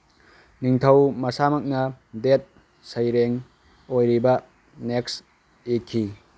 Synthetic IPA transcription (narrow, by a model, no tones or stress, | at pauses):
niŋtʰɐwmɐsamɐk̚nɐdet̚ | sɐjɾeŋ | ojɾibɐ | neks | ekʰːi